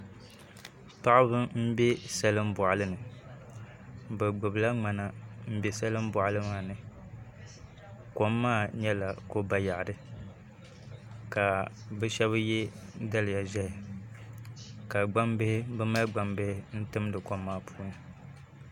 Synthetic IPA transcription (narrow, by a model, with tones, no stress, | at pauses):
pa˦ʔɪ˦bɨ˦m̩˦bɛ˦sɛ˦lɨ˦mbɔ˨ʔa˨lɨ˦nɨ˨ | bɛ˨ɡ͡bɨ˨bla˦ŋ͡ma˨na˨m̩˦bɛ˦sɛ˦lɨ˦m˦bʊ˨ʔlɨ˦maː˦˨nɨ˨ | ko˦mːaː˦˨ɲɛ˦la˨ko˦ba˨ja˨ʔdɨ˦ | ka˨bɛ˦ʃɛ˦βɨ˦jɛ˦da˦lɨ˨ja˨ʒɛ˦hɪ˨ | ka˨ɡ͡ba˦mbɪ˦hɪ˦bɛ˦ma˦ɡ͡ba˨mbɪ˦hɪ˦n̩˦tɨ˦m˦dɨ˨ko˦mːaː˦˨pʰu̥ː˦nɨ˨